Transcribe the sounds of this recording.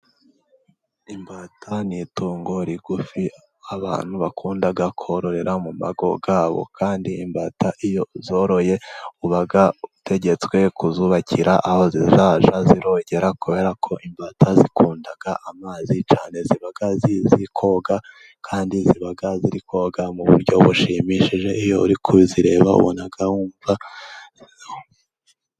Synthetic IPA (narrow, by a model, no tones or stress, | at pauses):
imbaːtʰanituːŋɡo̞ɾiɡufi | aβa̰ːn̥huβakʰuːndaɡakʰoɾo̞ɾe̞ɾʔamuma̰ɡo̞ɡaːβo̞̰kʰaːndiːmbaːtʰaʔijo̞zo̞ːɾo̞je̞uβaɡautʰe̞ɟe̞t͡swe̞kuzuβacʰiɾʔaʔaho̞zizaːʒaziɾo̞ɟe̞ɾakuβe̞ɾakʰo̞ʔimbatʰazikuːndaɡ̥aʔamaːzit͡ʃaːne̞ziβaɡazizikʰo̞ɡa | kʰaːndiziβaɡaziɾiko̞ɡamuβṵɾɟo̞βuʃimiʃiʒe̞ijo̞uɾikʰuβiziɾe̞ːβaṵβo̰naɡahuːɱva | zho